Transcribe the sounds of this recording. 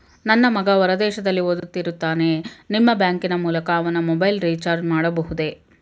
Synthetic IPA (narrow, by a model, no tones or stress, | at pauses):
nɐnːɐmɐɡɐʋɐɾɐd̪ɛːʃɐd̪ɐlːiʋod̪ut̪ːiɾut̪ːaːne̞nimːɐbjaːŋkinɐmuːlɐkɐːʋɐnːɐmɔbɐjlɾit͡ʃaːɾd͡ʒmaːɽɐbɐɦud̪e̞